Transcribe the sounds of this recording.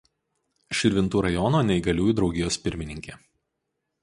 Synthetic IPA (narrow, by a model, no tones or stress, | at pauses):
ʃʲɪɾʲʋʲɪnt̪uːɾɐjɔnoːnʲɛɪɡɐlʲuːjuːˑd̪ɾɒʊɡʲɪjoːspʲɪɾʲmʲɪnʲɪŋʲkʲeː